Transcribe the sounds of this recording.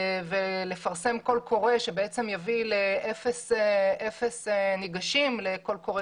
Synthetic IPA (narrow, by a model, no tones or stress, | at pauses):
vele̞faʁse̞mko̞lkʰo̞ʁeʃebeet͡se̞mjavileʔefeseʔefesniɡaʃimleko̞lko̞ʁe